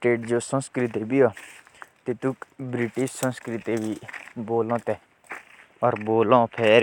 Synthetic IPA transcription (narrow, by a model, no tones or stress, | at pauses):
ʈeːʈd͡ʒoːsə̃nskɾɪt̪eːbiːaːt̪et̪ʊkbɾɪʈɪʃsə̃nskɾɪt̪eːʋiːboːlõːt̪ɛː | ɔːɾboːlõːpʰeːɾ